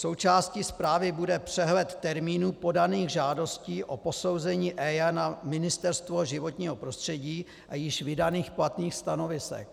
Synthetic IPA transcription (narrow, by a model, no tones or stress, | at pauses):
so̞wt͡ʃaːscispɾaːvɪbudɛpr̝̥ɛɦlɛt̪ːɛɾmiːnuːpo̞daniːɣʒaːdo̞sciːʔo̞po̞so̞wzɛɲiːʔɛːjanamɪnɪst̪ɛɾst̪vo̞ʒɪvo̞t̪ɲiːɦo̞pɾo̞st̪r̥ɛɟiː | ʔajɪʃvɪdaniːxplat̪niːxst̪ano̞vɪsɛ̰k̚